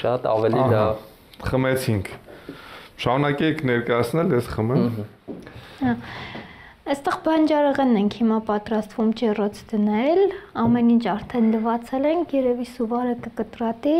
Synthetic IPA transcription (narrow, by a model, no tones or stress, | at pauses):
ʃɑt̪ɑ̰vɛliɦlɑv | χəmɛt͡sʰiŋkʰ | ʃɑɾunɑkɛɛkʰnɛɾkɑjɑt͡sʰnɛljɛsχəmɛm | hɑ | əst̪ɛʁbɑnd͡ʒɑɾəʁɛnːɛŋkʰhimɑpɑt̪ɾɑst̪vumt͡ʃɛrɔt͡sʰd̪̥ənɛlɑmɛnint͡ʃʰɑɾt̪ʰɛnləvɑt͡sʰɛlɛŋkʰjɛɾɛvisuvɑɾəkəkət̪rɑt̪i